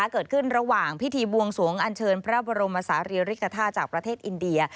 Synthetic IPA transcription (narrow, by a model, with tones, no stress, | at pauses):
a˦˥kɤː˨˩t̪̚kʰɯ˥˩nɾa˧waː˨˩ŋpʰi˦˥t̪ʰiː˧bu˧əŋsu˩˦əŋʔa˧nt͡ɕʰɤː˧npʰɾa˦˥bɔ˧ɾo˧mːʔaː˧saː˩˦ɾiː˧ɾi˦˥kʰːa˧t̪ʰaː˥˩t̪̚t͡ɕaː˨˩k̚pɾa˧t̪ʰeː˥˩t̪ʔi˧ndi˧ɐ